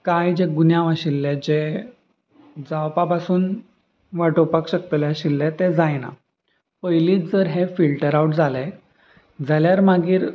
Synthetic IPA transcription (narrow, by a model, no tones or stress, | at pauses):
kajd͡ʑeɡunjãʋaɕilːed͡ʑe | d͡zawpapasuːn | ʋaʈopakɕək̚t̪uljaɕilːet̪ed͡zajna̰ | pəjliːt͡sd͡zəɾɦefilʈəɾawʈd͡zʱale | d͡zaljaɾmaɡiːɾ